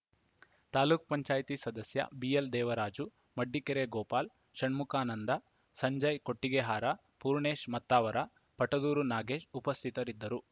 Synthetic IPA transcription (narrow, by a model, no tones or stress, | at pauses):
t̪aːluːk̚pɐɲt͡ʃaːjt̪isɐd̪ɐsjɐ̰bijeld̪ɛːʋɐɾaːd͡ʒu | mɐɖːikeɾeɡɔːpaːl | ʃɐɳmukaːnɐnd̪ɐ | sɐɲd͡ʒɐjko̞ʈːiɡeɦaːɾɐ | puːɾɳeːʃmɐt̪ːaːʋɐɾɐ | pɐʈɐd̪uːɾunaːɡe̞ːʃupɐst̪ʰit̪ɐɾid̪ːɐɾu